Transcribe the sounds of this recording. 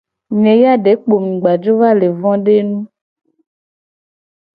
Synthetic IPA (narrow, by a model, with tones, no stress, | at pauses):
ɲẽ˨ja˦ɖe˨˦k͡po˨mĩ˨ɡ͡ba˨d͡ʒo˦va˦le˨vɔ̃˦ɖe˦nũ˦